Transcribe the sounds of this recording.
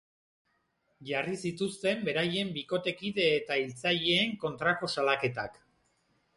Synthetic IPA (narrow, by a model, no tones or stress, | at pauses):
ʝarisit̪ust̪e̞mbe̞ɾaje̞mbiko̞t̪e̞kiðe̞ːt̪ailt͡saʎeːŋko̞nt̪ɾako̞salake̞t̪ak